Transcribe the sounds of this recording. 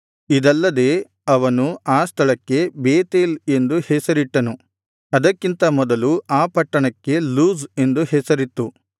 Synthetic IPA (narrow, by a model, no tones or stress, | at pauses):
id̪ɐlːɐd̪e̞ː | ɐʋɐnuaːst̪ʰɐɭɐkːe̞beːt̪eːle̞nd̪uhɛsɐɾiʈːɐnu | ɐd̪ɐkːint̪ɐmɔd̪ɐluaːpɐʈːɐɳɐkːe̞luːze̞nd̪uhɛsɐɾit̪ːu